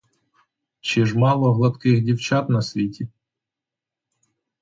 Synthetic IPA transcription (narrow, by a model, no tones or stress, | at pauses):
t͡ʃɪʒmɑlˠɔɦlˠɐt̪kɪxdʲiwt͡ʃɑt̪nɐsʲʋʲitʲi